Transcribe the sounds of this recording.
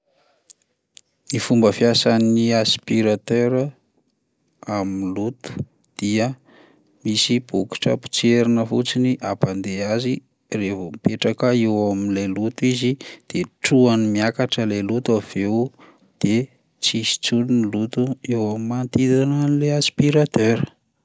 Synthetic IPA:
ifumbəfjasaniaspiɾat̪øɾə | aminlut̪u̥ | d̪̥iə | misib̥uki̥ʈ͡ʂə̰pi̥t͡seɾinəfut͡siniʔapand̪eazi | revomipeʈ͡ʂakəewaminlelut̪uizid̪̥eʈ͡ʂuanimiakaʈ͡ʂəlelut̪uav̥ew | d̪̥e | t͡sisi̥t͡sulnilut̪uewamimant̪id̪ananleaspiɾat̪øɾ

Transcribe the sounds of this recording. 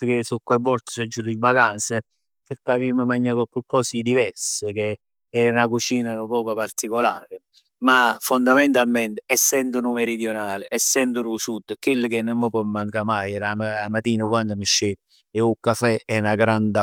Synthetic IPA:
kesukːwebɔɾt̪ɪ̥sɛd͡ʒːuɾivakansɪ | peɾkaviməmaɲːakokupːɔsid̪ivɛɾsək̟e | ɛnakut͡ʃiːnanupɔːpapart̪ikolaːɾɪ | mafond̪ament̪almɛnt̪ɪɛsːɛnd̪ʊnumeɾid̪jonaːlɪʔɛsːɛnd̪ʊɾusud̪kwelːəkenːəmːɔpɔmmaŋkamajlamaamat̪iːnakwand̪amiʃːeː | eukːafɛɛnaɡɾand̪a

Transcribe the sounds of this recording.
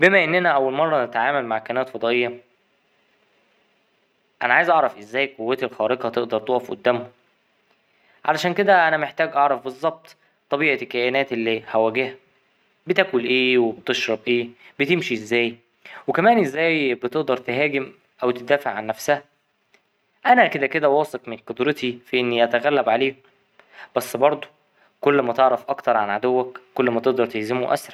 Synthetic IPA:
bemæʔenːænæʔæwːælmɑrˤːɑnet̪ʕaːmælmaʕkænæːt̪fɑd̪ˤɑːʔejːɑ | ʔænæʕaːjzʔɑʕɾˤɑfʔezːæːjqowːæːt̪elxɑːɾeqɑt̪eʔd̪ɑɾˤt̪oʔɑfʔo̰d̪ːæːmho | ʕalæʃæːnked̪æʔænæmeħt̪æːɡʔɑʕɾˤɑfbezˤːɑb̚t̪ˤ | t̪ːˤɑbiːʕekːæːʔenæːt̪ʔelːiːhæwæːɡehæ | bet̪æːkolʔeːwebet̪eʃɾˤɑbʔeːbet̪emʃiʔezːæːj | wekæmæːnʔezːæːjbet̪eʔd̪ɑɾˤt̪eɦæːɡem | ʔæwt̪ed̪æːfeʕanːæfsæhæ | ʔænæked̪æked̪æwɑːsˤɑkmenqod̪ɾet̪ifiʔenːiʔæt̪æɣælːæbʕaleːk | b̥æsːbɑɾˤd̪ˤo̥ | kolːmæt̪eʕɾɑfʔɑkt̪ɑɾˤʕanʕad̪owːækkːolːmæt̪eʔd̪ɑɾˤt̪ehzemoʔæ̰sɾˤɑ

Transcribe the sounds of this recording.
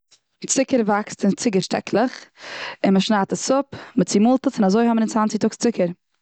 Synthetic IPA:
t͡sɪkəɾvakstɪnt͡sɪɡəʃtɛ̰kʰlˠəχɪnməʃnaːtasʊpmət͡siːmʊlˠtəsɪnazoɪhɔmənɪnt͡svant͡sɪktʊkst͡sɪkəɾ

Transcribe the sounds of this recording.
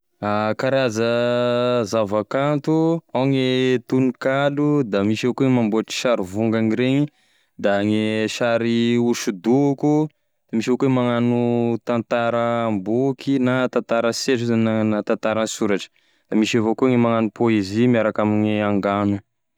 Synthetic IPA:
akaɾazə | zavakant̪uaŋet̪unikalud̪amiʃiokueŋmamboaʈ͡ʂi̥ʃaɾivuŋɡaŋiɾeɲi | d̪aŋeʃaɾiuʃud̪uku | d̪̥amiʃevokuwemaŋanut̪ãnt̪aɾəmbukʰinat̪ãnt̪aɾəseʈ͡ʂizananat̪ãnt̪aɾansuɾaʈ͡ʂə̥ | d̪̥amiʃavokueŋemaŋanupoezimiaɾakamiɲeaŋɡanu

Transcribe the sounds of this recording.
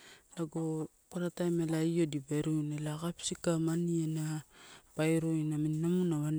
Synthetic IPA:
laɡo | paɾatajmelaiodibajɾojnelakapsikamanienapajɾojnaminnamunaβan

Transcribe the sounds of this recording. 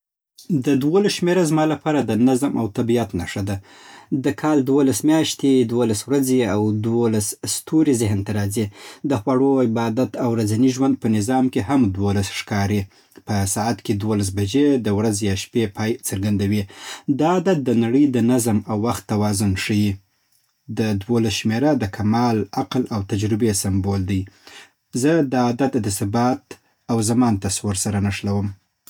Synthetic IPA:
d̪əd̪wolasʃmeɾazmɑlapɑɾad̪ənazmawt̪abijat̪naʂad̪a | d̪əkʰɑld̪wolasmjɑʃt̪ed̪wolaswɾazeawd̪wolasst̪ʰoɾizɪɦnt̪aɾɑzid̪əxwaɽoɪbɑd̪at̪awɾazaniʒwand̪̚pənɪzɑmkeɦamd̪wolasʂkɑɾi | pəsɑat̪ked̪wolas̬bad͡ʒed̪əwɾazjɑʃpepʰɑjt͡səɾɡand̪awid̪ɑːd̪at̪̚d̪ənaɽəjd̪ənazmawːaxt̪ːawɑzʊnʂəji | d̪əd̪wolasʃmeɾad̪əkʰamɑlaqlawt̪ad͡ʒɾɪbesɪmbold̪əj | zəd̪ɑːd̪at̪d̪əsɪbɑt̪ | awzamɑnt̪aswəɾsaɾanaʂlawəm

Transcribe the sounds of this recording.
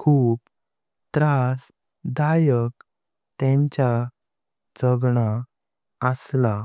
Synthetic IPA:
kʰuːp | t̪ɾas | d̪ajək | t̪ɛ̃ɲt͡ɕa | d͡zəɡɳa | əsla

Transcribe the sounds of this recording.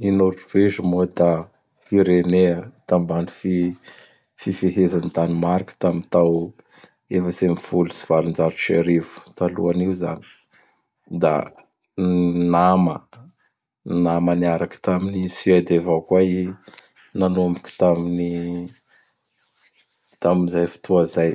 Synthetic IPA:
inoɾupeʒəmod̪a | fiɾeneət̪ambani̥fi | fifeɦezanit̪animaɾikə̥t̪amint̪aw | efəsemifulusi̥v̥alund͡zaɾut͡ʃeɾivu̥t̪alṵaniwza̰ni̥ | d̪a̰ | namə | namaniaɾakə̥t̪aminisied̪evawkwai | nanomiki̥t̪amini | t̪aminzajfi̥t̪ʰuazaj

